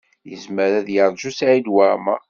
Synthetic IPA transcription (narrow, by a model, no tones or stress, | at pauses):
jəzməɾæðjəɾˤʒusʕid̪wamæ̰